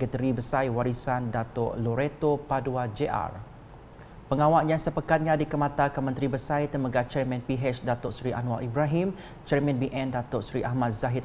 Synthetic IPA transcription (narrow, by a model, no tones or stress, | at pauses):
ɡət̪əɾibəsajwaɾisandat̪o̰ʔloɾet̪opaduad͡ʒeʔa̰r | pəŋãwaʔɲãsəpəkat̪̚ɲãdikəmãt̪akəmə̃nt̪ɾibəsajt̪əməɡat͡ʃɛrmɛ̃npiɦɛt͡ʃdat̪ʊʔsɾiʔa̰nwalibɾaɦim | t͡ʃɛrmɛ̃nbiʔɛ̃ndat̪ʊʔsɾiʔahmãt̪̚zaɦit̪̚